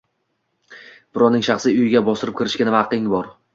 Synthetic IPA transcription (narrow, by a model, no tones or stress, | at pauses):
b̥ɪɾɒnɪŋʃɑχsijʊjɪɡʲabɒsɪɾɪp̚kʲɪɾɪʃkʲanɪvɑqʰɪŋbɒɾ